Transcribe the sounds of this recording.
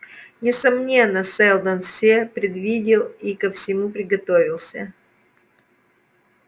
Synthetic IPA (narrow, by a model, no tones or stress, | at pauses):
nʲɪsɐmnʲe̞nːəsɛlˠd̪ənfsʲepɾʲɪd̪vʲidʲɪlˠikəfsʲɪmupɾʲɪɡɐt̪ovʲɪlˠsʲə̰